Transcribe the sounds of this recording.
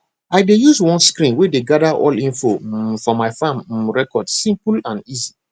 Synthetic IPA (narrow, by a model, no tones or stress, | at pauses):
aɪdejuzwɔ̃nskɾĩnwedeɡadaʔɔ̰lĩnfofɔmaɪfãmɹɛkɔdsĩmplãnizi